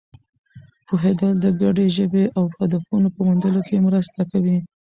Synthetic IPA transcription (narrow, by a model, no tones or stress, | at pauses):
poɦed̪əld̪əɡaɖeʒəbeʔawxad̪afunopəmund̪əlokemɾəst̪akawi